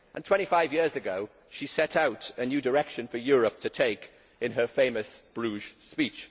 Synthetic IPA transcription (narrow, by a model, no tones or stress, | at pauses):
ʔə̃ntʰw̥ɛ̃ñtifaɪvjɪəzəɡoʊ | ʃisɛtaʊtənjʉːdəɹɛkʃə̃nfəjɔːɹəp̚tʰətʰeɪk | ɪ̃nəfẽɪ̃məsb̥ɹʉːʒ̥spiˑt͡ʃ